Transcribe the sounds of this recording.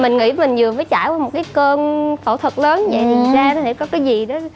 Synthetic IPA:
mï˨˩ŋ̟ŋḭ˧˥mï˨˩ŋ̟zɨ˨˩əməː˨˦jt͡ɕaː˧˩jwaː˧mo˨˩kaː˨˦jkəː˧nfo̰˧˩t̪ʰwə˨˩t̚ləː˨˦nvə̰˧˨jt̪ʰi˨˩zaː˧n˨˦hḛ˧˥˩kɔ˨˦kaː˨˦jzi˨˩ɗɔ˨˦

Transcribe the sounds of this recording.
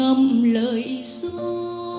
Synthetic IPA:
ə˧mləː˧˨jsɨ˧˥

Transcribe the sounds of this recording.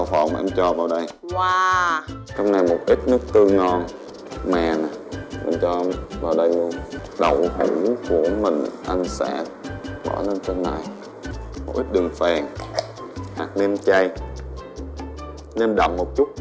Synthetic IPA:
wfə̰˧˨˩wŋ͡mma˨ʔɛ˧mt͡ɕɔ˧vaː˨˩wɗə˧jwaː˨˩ | t͡ɕɔ˧wŋ͡mna˨˩jmo˨˩t̚ʔi˦˥t̚nɨ˦˥ək̚t̪ɨ˧ŋɔ˧n | mɛ̰ː˧˨˩na˨˩mḭ˨˩ŋt͡ɕɔ˧vaː˨˩wɗə˧jlu˧ənɗə˨˩who̰˧˩˦jku˧˩əmï˨˩ŋ̟ʔa˧jŋsɛ̰˧˥ | ɓɔ̰˧˩˦le˧nt͡ɕe˧nːa̰˧˨j | mo˨˩t̚ʔi˦˥t̚ɗɨ˨˩ŋfɛː˨˩ŋ | ha̰˨˩k̚ne˧mt͡ɕa˧j | ne˧mɗa̰˧˨˩wŋ͡mmːo˨˩t̚t͡ɕʊ˦˥t̚

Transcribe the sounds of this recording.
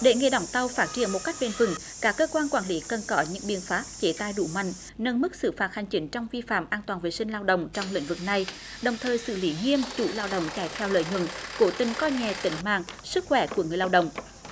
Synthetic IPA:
ɗe˧˩˦ŋe˧˩ɗa˧˩wŋ͡mt̪a˧wfaː˦˥t̚t͡ɕḭ˧˩ənmo˨˩t̚ka˦˥jk̚ɓe˧˩nvɨ̰˨˧˩ŋ | kaː˦˥kːəː˧kwaː˧nkwaː˧˩nli˨˦kə˨˩nkɔ˨˦ɲɨ̰˧˥ŋɓḭ˨ənfaː˦˥t̚t͡ɕe˨˦t̪aː˧˨jɗu˧˦ma̰˧˨jŋ̟ | nə˧nmɨ˦˥k̚sɨ̰˧˩faː˨˩t̚ha˨˩jŋ̟t͡ɕï˨˦ŋ̟t͡ɕɔ˧wŋ͡mvi˧fa̰ː˧˩mʔaː˧nt̪waː˨˩nvḭ˨˩sï˧ŋ̟laː˧wɗə̰˧˨wŋ͡mt͡ɕɔ˧wŋ͡mlḭ̈˧˥ŋ̟vɨ˨˩k̚na˧˩j | ɗə˨˩wŋ͡mt̪ʰəː˨˩jsɨ̰˧˩li˨˦ŋi˧əmt͡ɕu˧˩laː˧wɗə̰˨wŋ͡mt͡ɕaː˧˩jt̪ʰɛ˧wlə̰ː˧˨jɲwə̰˧˩˨nko˧˨˦t̪ï˨˩ŋ̟kɔ˧ɲɛ˨˩t̪ï˧˨˦ŋ̟ma̰ː˧˨ŋsɨ˦˥k̚xwɛ˧˩ku˧˩əŋɨ˨˩əjlaː˧ɗə̰˧˨wŋ͡m

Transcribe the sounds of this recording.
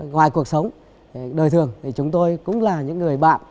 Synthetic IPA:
ŋwaː˨˩jku˨˩ək̚sə˨˦wŋ͡m | ɗəː˨˩jt̪ʰɨ˨˩əŋt̪ʰi˨˩t͡ɕʊ˨˦ŋ͡mt̪o˧jkʊ̰˧˥ŋ͡mlaː˨˩ɲɨ̰˧˥ŋːɨ˨˩əjɓa̰ː˧˨m

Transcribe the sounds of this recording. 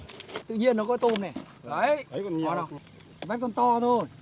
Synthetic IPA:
t̪ɨ̰˧˨ɲi˧ənːɔ˨˦kɔ˨˦t̪u˧˩mnɛ˨˩ | ə˨˦jɔ˨˦na˨˩˨ | ɓaː˦˥t̚kɔ˧˩nt̪ɔ˧t̪ʰo˧˩j

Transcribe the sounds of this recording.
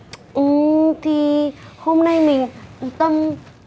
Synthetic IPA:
t̪ʰi˧ho˧mna˧jme˨t̪a˧m

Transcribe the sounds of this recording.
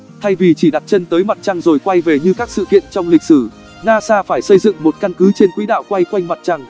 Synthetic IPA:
t̪ʰa˧jvi˨˩t͡ɕi˧˩ɗa˨˩t̚t͡ɕə˧nt̪əː˨˦jma˨˩t̚t͡ɕa˧ŋzo˨˩jkwa˧jve˨˩ɲɨ˧kaː˦˥k̚sɨ̰˧˨kḭ˧˨ənt͡ɕɔ˧wŋ͡mlï˨˩k̟̚sɨ˧˩ | naː˧saː˧faː˧˩jsə˧jzɨ̰˧˨ŋmo˨˩t̚ka˧nkɨ˨˦t͡ɕe˧nkwḭ˧˥ɗa̰ː˧˨wkwa˧jkwa˧jŋ̟ma˨˩t̚t͡ɕa˧ŋ

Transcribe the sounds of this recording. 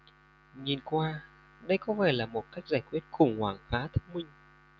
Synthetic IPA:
ŋi˨˩nkwaː˧ | ɗə˧jkɔ˨˦vɛ˧˩laː˨˩mo˨˩t̚ka˦˥jk̚zaː˧˩jkwi˦˥ət̚xʊ˨˧˩ŋ͡mhwaː˧˩ŋfaː˨˦t̪ʰə˦˥mï˧ŋ̟

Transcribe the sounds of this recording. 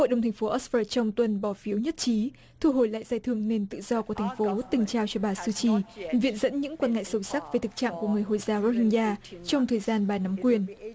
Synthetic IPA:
ho̰˧˨jɗə˨˩wŋ͡mt̪ʰŋ̟fo˨˦ʔɔ˦˥sfəː˧˩t͡ɕɔ˧wŋ͡mt̪wə˨˩nɓɔ˨˩fi˨˦əwɲə˦˥t̚t͡ɕi˨˦ | t̪ʰu˧ɦo˧˩jla̰ː˧˨jzaː˧jt̪ʰɨ˧əŋne˧nt̪ɨ̰˧˨z̥ɔ˧ku˧˩t̪ʰjŋ̟fo˨˦t̪ï˨˩ŋ̟t͡ɕaː˧wt͡ɕɔ˧ɓaː˨˩sɨ˧t͡ɕi˧˩vḭ˧˨ənzə̰˧˥nɲɨ̰˧˥ŋkwaː˧nŋa̰˧˨jsə˨˧wsa˦˥k̚ve˨˩t̪ʰɨ˨˩k̚t͡ɕa̰ː˧˨mku˧˩əŋɨ˨˩əjɦo̰˧˨jzaː˨˦wɾo˧hï˧ŋzaː˧t͡ɕɔ˧wŋ͡mt̪ʰəː˨˩jzaː˧nɓaː˨˩na˨˦mkwi˨˩ən

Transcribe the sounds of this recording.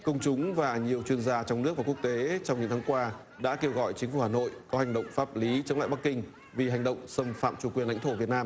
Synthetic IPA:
kə˧wŋ͡mt͡ɕʊ˨˦ŋ͡mvaː˨˩ɲi˨˩əwt͡ɕwi˧ənzaː˧t͡ɕɔ˧wŋ͡mnɨ˦˥ək̚vaː˨˩ku˦˥ək̚t̪e˨˦t͡ɕɔ˧wŋ͡mɲɨ̰˧˥ŋt̪ʰaː˨˦ŋkwaː˧ | ɗa̰ː˧˥ke˧wɣɔ̰˧˨jt͡ɕi̟˨˦fu˧˩haː˨˩no̰˧˨jkɔ˨˦ha˨˩jŋ̟ɗə̰˧˨wŋ͡mfaː˦˥p̚li˨˦t͡ɕə˨˦wŋ͡ma̰ː˧˨ɓa˦˥kːï˧ŋ̟ | vi˨˩ha˨˩ŋ̟ɗə̰˧˨wŋ͡msə˧mfa̰ː˧˨mt͡ɕu˧˩kwi˨˩ənla̰˧˥jŋt̪ʰo˧˩vi˨˩ət̚naː˧m

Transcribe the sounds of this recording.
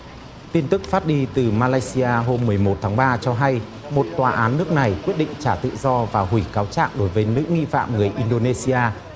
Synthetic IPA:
t̪i˧nt̪ɨ˦˥k̚faː˦˥t̚ɗi˧t̪ɨ˨˩maː˧laː˧jsi˧aː˧ɦo˧mːɨ˨˩əjmo˨˩t̚t̪ʰaː˨˦ŋɓaː˧t͡ɕɔ˧ɦa˧j | mo˨˩t̚t̪waː˨˩ʔaː˨˦nːɨ˦˥ək̚na˨˩jkwi˦˥ət̚ɗḭ˧˨ŋ̟t͡ɕaː˧˩t̪ɨ̰˧˨zɔ˧vaː˨˩hwi˧˩kaː˨˦wt͡ɕa̰ː˧˨ŋɗo˨˦jvəː˨˦nɨ̰˧˥ŋḭ˧˨fa̰ː˧˨mŋɨ˨˩əjʔi˧nɗo˧ne˧si˧ʔaː˧

